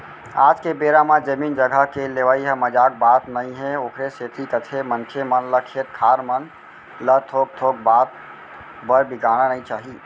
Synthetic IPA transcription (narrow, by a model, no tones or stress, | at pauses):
aːd͡ʒkebeɾamãd͡ʒəmiːnd͡ʒəɡʱəkeleʋaiɦəməd͡ʒaːk̚baːt̪nəĩɦeoːkʰɾeset̪ʰikət̪ʰemənkʰemənləkʰet̪̚kʰaːɾmən | ləɾt̪ʰoːk̚t̪ʰoːk̚baːt̪̚ | bəɾbiɡaːñanəĩt͡ʃaːɦi